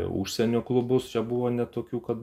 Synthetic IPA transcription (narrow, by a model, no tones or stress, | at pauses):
ṵːʃʲsʲɛnʲoːklˠʊbʊst͡ʃʲɛbuʋoːnʲɛt̪oːkʲuːkɐt̪